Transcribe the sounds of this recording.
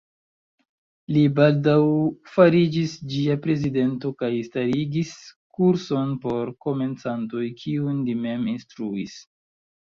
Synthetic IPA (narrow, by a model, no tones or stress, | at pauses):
libaldawfaɾid͡ʒisd͡ʒiapɾe̞zide̞nto̞kajstaɾiɡiskuɾso̞npo̞ɾko̞me̞nt͡santo̞jkʰiunlime̞minstɾuis